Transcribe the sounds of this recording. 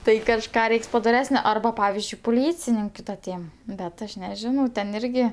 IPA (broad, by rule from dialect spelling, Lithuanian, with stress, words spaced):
ˈtɐɪ kɐʃˈkɑː ˈrʲɛɪks pɐdoːˈrʲæːsʲnʲoː ɐrˈbɐ ˈpɑːʋʲɪzʲd͡ʒʲʊɪ pʊˈlʲiːt͡sʲɪnʲɪŋʲkʲʊ tɐ ˈtʲeːm bʲɛt ˈɐʃ nʲɛˈʒʲɪnɐʊ tʲɛn ˈɪrʲɡʲɪ